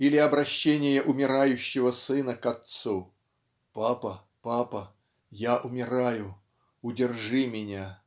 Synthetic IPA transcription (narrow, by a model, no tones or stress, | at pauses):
ilʲɪɐbɾɐɕːenʲɪjəʔʊmʲɪɾajʉɕːɪvəsɨnəkat̪su | papə | papə | jaʔʊmʲɪɾajʊ | ʊdʲɪrʐɨmʲɪnʲa